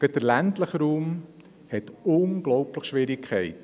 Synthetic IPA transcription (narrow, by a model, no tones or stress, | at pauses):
ɡ̥ədəɾlæntləχɾuːm | hɛtʊnɡlɔwpləχʃʋɪɾikʰχɛjt